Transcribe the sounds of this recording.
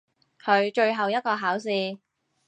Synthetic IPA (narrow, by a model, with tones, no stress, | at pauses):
kʰɵ˨˧ɥt͡ʃɵ˧ɥɦɐ˨wjɐ˥t̚kɔː˧ɦaː˨˥ws̬iː˧